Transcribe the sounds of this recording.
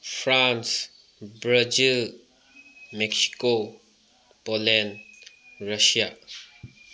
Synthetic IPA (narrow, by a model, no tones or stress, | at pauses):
fʰɾans | bɾad͡ʒil | mɛksi̥ko | polɛn | ɾasia